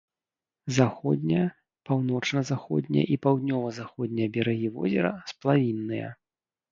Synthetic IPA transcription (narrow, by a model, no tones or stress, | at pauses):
zaxɔd̪ʲnʲɐjɐ | pawnɔt͡ʂnɐzaxɔ̰d̪ʲnʲɛ̰j̰ʔipawd̪ʲnʲɔvɐzaxɔd̪ʲnʲɛjɐbʲɛɾaɣʲivɔ̰zʲɛɾɐsplˠavʲinːɨjɐ̰